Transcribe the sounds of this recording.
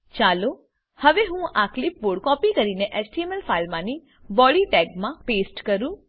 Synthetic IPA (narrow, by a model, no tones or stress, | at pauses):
t͡ʃalo | həʋeɦũaklip̚boɽkɔpikəɾineʔɛsʈiɛmɛlfʰalmãni | bɔliʈɛɡmãpesʈkəɾũ